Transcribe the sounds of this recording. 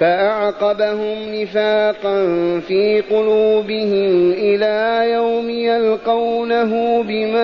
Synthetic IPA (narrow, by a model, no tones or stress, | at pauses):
faʔɑʕqɑbahʊmnɪfaːqɑnfiːqʊluːbɪhɪmʔɪlaːjawmɪjalqɑwnaɦʊːbɪma